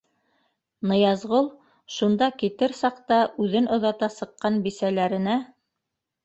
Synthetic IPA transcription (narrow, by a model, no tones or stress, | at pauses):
nɤ̆jɑzʁolˠ | ʃund̪ɑkit̪ɘɾsɑqt̪ɑʔʉðɘnŏðɑt̪ɑsɤ̆qːɑnbisælæɾɘ̆næ